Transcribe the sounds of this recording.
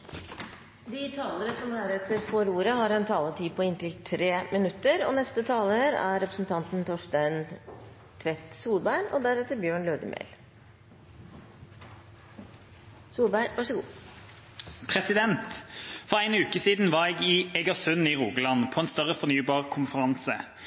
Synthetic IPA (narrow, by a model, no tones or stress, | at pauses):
d̪ɪt̪ʰɑːləɾəsɔmæɾɛt̪əɾfɔɾuːɾəhɑɾɛnt̪ʰɑːlət̪ʰiːpʰɔɪnt̪ɪlt̪ʰɾeːmɪnʉt̪ːəɾɔ̰nɛst̪ət̪ʰɑːləɾæ̰ɾːɛpɾəsn̩t̪ʰɑnt̪n̩t̪ʰɔʂʈæɪn | t̪ʰʋɛt̪suːlbæɪɳɔ̰d̪æɾɛt̪əɾbjøːɳløːd̪ə̰mʔḛl | suːlbæɪɾʋɑʂəɡuː | pʰʁɛsɪd̪ɛnt̪fɔʁæɪnʉːkəsiːd̪n̩ʋɑʁɛːɡɪɛɡɑsʉniːʁuːɡəlɑnpʰɔɛnst̪œʁəfɔʁnyːbɑːʁkʰʊnfəʁɑnsə